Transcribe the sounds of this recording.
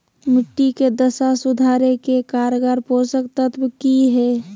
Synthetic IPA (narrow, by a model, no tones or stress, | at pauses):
mɪʈːiked̪əsasʊd̪ʱaːɾekekaɾɡaɾpoɾsək̚t̪ət̪ʰbkiɦɛː